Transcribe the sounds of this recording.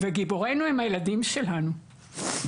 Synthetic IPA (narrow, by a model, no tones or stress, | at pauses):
veɡiboʁe̞jnuemhajeladimʃelanu